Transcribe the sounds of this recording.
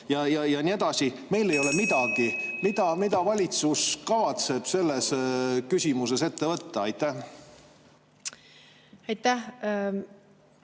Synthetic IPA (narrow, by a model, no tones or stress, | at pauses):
jɑjɑjɑnie̞d̪ɑsi | me̞jle̞jo̞le̞mid̪̥ɑɡ̥imid̪ɑmid̪ɑvɑlʲit̪suskɑvɑt̪se̞b̥se̞lːe̞skysʲimuse̞se̞t̪ːe̞vɤt̪ːɑɑjt̪ːˑæh | ɑjt̪ːæh